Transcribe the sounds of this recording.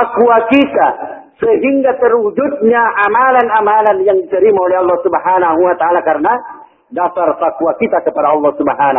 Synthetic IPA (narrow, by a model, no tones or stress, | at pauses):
akuakit̪a | səɦiŋɡat̪ərud͡ʒut̪̚ɲaʔamalanamalanjaŋdit̪əɾimaolɛɦɑlˠːɑhsubɦanaɦuwat̪aʔalakarna | dasarfakuakit̪akəpadaɑlˠːɑhsubaɦana